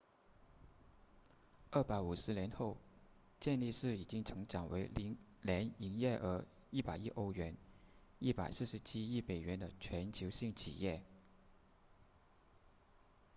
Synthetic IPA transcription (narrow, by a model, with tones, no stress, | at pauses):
ə˥˩pa˧˥ɪu˨˩ʂɻ̩˧˥ljɛ˧˥nxo˥˩˧ʊ | t͡ɕjɛ˥˧nli˥˧ʂɻ̩˥˩i˨˩t͡ɕi˥ŋʈ͡ʂʰɤ˧˥ŋʈ͡ʂɑ˨˩ŋwe˧˥ɪl | ljɛ˧˥ni˧˥ŋjɛ˥˩ʔə˞˧˥ | i˥˩pa˨˩ɪi˥˧ʔo˥˩ʊɥɛ˧˥ni˥˩pa˨˩ɪsɹ̩˥˩ʂɻ̩˧˥t͡ɕʰi˥i˥˩me˨˩ɪɥɛ˧˥nd̪ə˧t͡ɕʰɥɛ˧˥nt͡ɕʰjo˧˥ʊɕi˥˩ŋt͡ɕʰḭ˨˩jɛ˥˩